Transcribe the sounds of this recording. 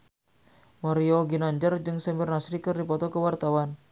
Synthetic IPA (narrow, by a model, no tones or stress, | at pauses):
mɔɾiɔɡinaɲd͡ʒərd͡ʒɨŋsɛmbərnasɾikɨrdipɔt̪ɔkəwart̪awan